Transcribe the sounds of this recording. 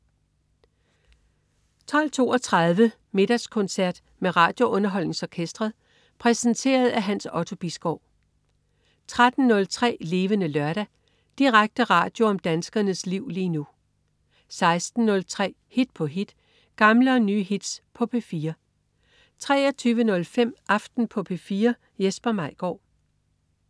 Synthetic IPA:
t͡sʰɒ̽l̰t͡sʰo̝ːɒ̽t͡sʰʁað̞ˠʋə | me̝ɾ̥ɑskʰɔ̽nsæɐ̰d̥ | meʁɑ̰̈ːd̥jo̝ʔɔ̽nɐɦɒ̽l̰neŋsɒkʰesd̥ʁɐðˠ | pʰʁɛsənt͡sʰe̝̰ːɐð̩ˠæɦænsɒ̽t͡sʰo̝b̥isɡ̥ɒʊ̰ | t͡sʰʁad̥n̩ːɔ̽lt͡sʰʁɛ̰ːle̝ːʋənəlɶɐɾ̥æ | d̥iʁaɡ̥̚d̥əʁɑ̈ːd̥jo̝ɒ̽md̥ænsɡ̥ɐnəsliʊ̰liːnu | sɑ̈ɪsd̥n̩ːɔ̽lt͡sʰʁɛ̰ː | hid̥̚pʰɒ̽ɦid̥ | ɡ̥ɑ̈mləɒ̽nyːɦid̥spʰɒ̽pʰefiːɐ | t͡sʰʁɛ̰ːɐt͡sʰyːʋənɔ̽lfem̰ʔɑ̈fd̥n̩pʰɒ̽pʰefiːɐ | jesb̥ɐmɑ̈ɪ̰ɡ̥ɒ̰ʊ

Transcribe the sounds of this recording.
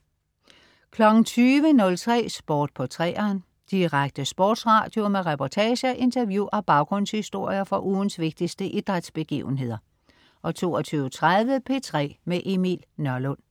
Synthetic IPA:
kʰlɒ̽ɡ̥n̩t͡sʰyːʋənɔ̽lt͡sʰʁɛ̰ːsb̥ɔːd̥̚pʰɒ̽t͡sʰʁɛ̰ːɐn | d̥iʁaɡ̥̚d̥əsb̥ɔːd̥sʁɑ̈ːd̥jo̝meʁɛpʰɒt͡sʰɛːɕəʔe̝nt͡sʰɐʋjuæb̥ɑ̈ʊɡ̥ʁɔ̽n̰shisd̥o̝ɐ̰jɐfɒ̽ʔuːn̩sʋe̝ɡ̥̚d̥isd̥əʔid̥ʁad̥sb̥e̝ɡ̥ḭːʊn̩ɦe̝ð̰ˠɐ | ʔɒ̽t͡sʰo̝̰ːɒt͡sʰyːʊət͡sʰʁaðˠʋəpʰe̝ːt͡sʰʁɛ̰ːmeʔemḭlnœɐlɔn̰

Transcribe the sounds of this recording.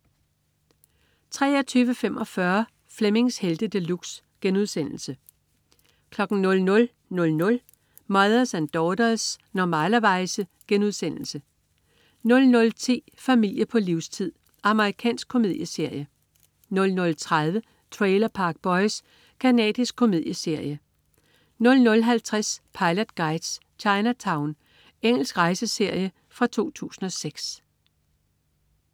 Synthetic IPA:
t͡sʰʁɛ̰ːɒt͡sʰyːʋəfemʔɒ̽fɶɐ | fleme̝ŋsheld̥əd̥əluɡ̥s | ɡ̥enuðˠsen̰l̩sə | kʰlɒ̽ɡ̥n̩nɔ̽lnɔ̽l | nɔ̽lnɔ̽l | mɑɪðˠɐsænd̥ɒd̥ɐsnɒmælɐʋɑ̈ɪsəɡ̥enuðˠsen̰l̩sə | nɔ̽lnɔ̽lt͡sʰḛː | fæmil̰jəpʰɒ̽liʊst͡sʰið̰ˠ | ʔɑ̈məʁikʰɛ̰ːnsɡ̥̚kʰːo̝me̝ð̰ˠjəse̝ɐ̰jə | nɔ̽lnɔ̽lt͡sʰʁað̞ˠʋə | t͡sʰʁeɪlɐpʰɑ̈ɡ̥̚b̥ɒ̽ɪs | kʰænɛ̰ːð̥ˠisɡ̥̚kʰo̝me̝ðˠjəse̝ɐ̰jə | nɔ̽lnɔ̽lɦælt͡sʰʁaspʰɑ̈ɪlɐd̥ɡ̥ɑ̈ɪd̥s | t͡ɕʰɑ̈ɪnɐt͡sʰɑ̈ʊn | eŋ̰l̩sɡ̥ʁɑ̈ɪsəse̝ɐ̰jə | fʁɑ̈t͡sʰo̝̰ːt͡sʰṵːsn̩ɒ̽seɡ̥s

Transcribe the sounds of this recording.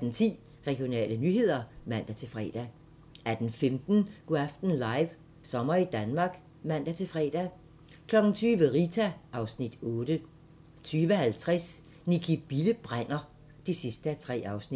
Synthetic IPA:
æd̥n̩t͡sʰḭː | ʁɛɡ̥jo̝nɛ̰ːlənyɦe̝ð̞̰ˠɐmæn̰d̥æt͡sʰe̝lfʁɛ̰ːd̥æ | æd̥n̩femd̥n̩ɡ̥æfd̥n̩lɑ̈ɪʋ | sɒ̽mɐid̥ænmɑ̈ːɡ̥ | mæn̰d̥æt͡sʰe̝lfʁɛ̰ːd̥æ | kʰlɒ̽ɡ̥n̩t͡sʰyːʋəʁit͡sʰæʔɑ̈ʊsnid̥ɔ̽ːd̥ə | t͡sʰyːʋəhælt͡sʰʁɛs | nikʰib̥iləb̥ʁan̰ɐ | d̥isisd̥əæt͡sʰʁɛ̰ːɑ̈ʊsnid̥

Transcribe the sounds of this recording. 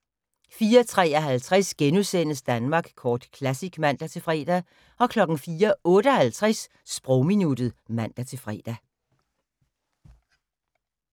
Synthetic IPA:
fiːɐt͡sʰʁɛ̰ːɒɦælt͡sʰʁɛsɡ̥enusen̰əsd̥ænmɑ̈ːɡ̥kʰɒːd̥kʰlæsiɡ̥mæn̰d̥æt͡sʰe̝lfʁɛ̰ːd̥æ | ɒ̽kʰlɒ̽ɡ̥n̩fiːɐɔ̽ːɾ̥əɒhælt͡sʰʁɛs | sb̥ʁɔʊminud̥ð̩ˠmæn̰d̥æt͡sʰe̝fʁɛ̰ːd̥æ

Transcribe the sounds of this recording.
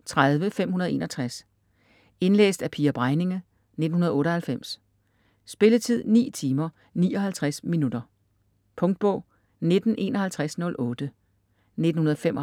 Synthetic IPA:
t͡sʰʁaðˠʋəfem̰ɦunɐð̩ˠe̝̰ːnʔɒ̽t͡sʰʁas | e̝nlḛːsd̥æpʰiːæɐb̥ʁɑ̈ɪne̝ŋə | ne̝d̥n̩hunɐð̞̩ˠɔ̽ːɾɒ̽hælfem̰s | sb̥e̝lət͡sʰið̰ˠnḭːt͡sʰiːmɐ | niːɒ̽ɦælt͡sʰʁasminud̥ɐ | pʰɔ̽ŋd̥̚b̥ɔ̽ʊ̰ | ned̥n̩ʔe̝̰ːnɒ̽hælt͡sʰʁasnɔ̽lʔɔːd̥ə | ned̥n̩hunɐð̩ˠfemʔɒ

